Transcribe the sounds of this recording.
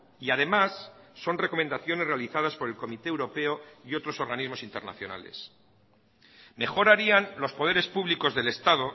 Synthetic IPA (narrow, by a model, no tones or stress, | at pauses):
iað̞e̞masːo̞nre̞ko̞mend̪aθjo̞ne̞zre̞aliθað̞aspo̞ɾe̞lko̞mit̪e̞ːwɾo̞pe̞o̞io̞t̪ɾo̞so̞ɾɣanizmo̞sint̪e̞ɾna̰θjo̞na̰le̞̰s | me̞xo̞ɾaɾianlo̞spo̞ð̞e̞ɾe̞spuβliko̞zðe̞le̞st̪að̞o̞